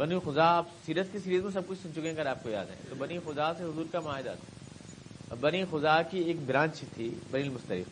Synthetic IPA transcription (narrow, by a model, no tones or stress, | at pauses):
bɐnixʊzaːpsiːɾət̪kesiːɾizmẽs̬ɐb̚kʊt͡ʃʰsʊnt͡ʃʊkẽɡɐɾaːp̚koja̰ːd̪ɦɛ̰̃t̪obɐnixʊzaːseɦʊzuːɾkamʊaːɦɪd̪a̰t̪ʰḁ | bɐnixʊzaːkieːk̚bɾãːt͡ʃt̪ʰibɐnilmʊst̪əɾɪ̰f